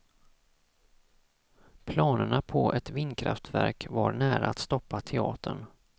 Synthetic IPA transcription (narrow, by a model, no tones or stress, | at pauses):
pʰlɑːnəɳapʰɔʔɛt̪vɪnːkʰɾa̰ft̪væɾkvaɾɳæːɾaat̪st̪ɔpːat̪ʰɛɑ̰ːt̪ʰəɳ